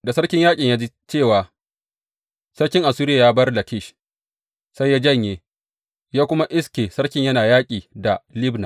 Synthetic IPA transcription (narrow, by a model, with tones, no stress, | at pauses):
da˨sɐ˦ɽkʲɪ˦ɲjaː˦kʲʼɪ˨ɲjaː˦d͡ʒi˦ | t͡ʃeː˦˨waː˨ | sɐ˦ɽkʲɪ˦ŋʔa˨suː˦ɾɪ˦a˨jaː˦bɐ˦rla˨kʲɪ˦˨ʃ | sa˦jːaː˦d͡ʒɐ˦˨ɲjeː˨ | jaː˦kʷʊ˦ma˦ʔɪ˦skʲeː˨sɐ˦ɽkʲɪ˦ɲjɐ˦naː˨jaː˦kʲʼiː˨da˨lɪ˦bna˨